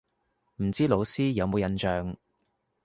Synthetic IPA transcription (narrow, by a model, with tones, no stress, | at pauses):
m̩˨˩t͡siː˥lo˨˧wsiː˥jɐ˨˧wmo˨˧wjɐ˧nt͡ʃœː˨˧ŋ